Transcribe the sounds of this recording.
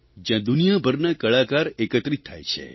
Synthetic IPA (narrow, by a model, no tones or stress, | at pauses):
d͡ʒjãd̪unijabʱəɾnakəɭakaɾekət̪ɾit̪ʰːa̰jt͡ʃʰḛ